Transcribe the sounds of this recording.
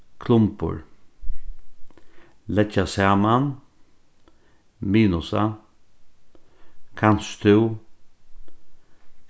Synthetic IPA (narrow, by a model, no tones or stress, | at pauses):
kʰlʊmpʊ̰ɹ | lɛcasaːman | miːnʊsa̰ | kʰanst̪ʰʉw